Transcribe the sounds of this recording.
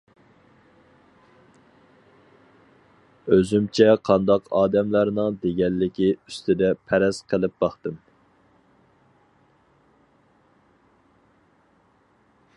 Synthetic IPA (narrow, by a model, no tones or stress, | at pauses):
øzymt͡ʃʰɛqʰɑnd̪ɑqɑːd̪ɛmlæɾnɨŋd̪eɡʲɛnːɪkʲiyst̪ʰɪd̪ɛpʰɛɾɛsqʰəlˠɪp̚bɑχt̪ɨm